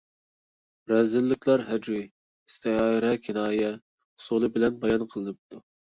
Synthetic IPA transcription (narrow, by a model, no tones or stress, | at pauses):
ɾɛzɪlːɪkʰʲlˠɑɾɦɛd͡ʒwij | ist̪ʰɪɑɾɛkʲʰinɑːjɛ | χʊ̥sulˠɨbɪlɛnbɑjɑnqʰəlˠɨnɨp̚t̪ʰu